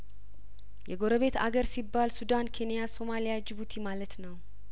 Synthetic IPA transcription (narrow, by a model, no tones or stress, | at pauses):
jɛɡo̞ɾəβe̞t̪a̰ɡəɾsibːalsud̪ankʰe̞nijaso̞malijad͡ʒɪβut̪ʰimalət̪nəw